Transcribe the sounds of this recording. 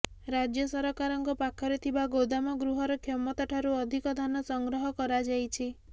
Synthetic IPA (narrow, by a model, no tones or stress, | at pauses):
ɾad͡ʒjɔsɔɾɔkaɾɔŋkɔpakʰɔɾet̪ʰibaɡowd̪amɔɡɾuɦɔɾɔkʰjɔmɔt̪ɔʈʰaɾuɔd̪ʱikɔd̪ʱanɔsɔŋɡɾɔɦɔkɔɾad͡ʒajt͡ʃʰi